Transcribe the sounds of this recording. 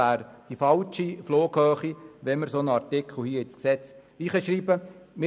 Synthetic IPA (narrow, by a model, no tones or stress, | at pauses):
æːɾd̥ifɑlt͡ʃifloːɡhœːχiʋɛməɾsonəɑɾtɪkχl̩hiːəɪt͡sksɛt͡s | iːχəʃɾiːbəmɪ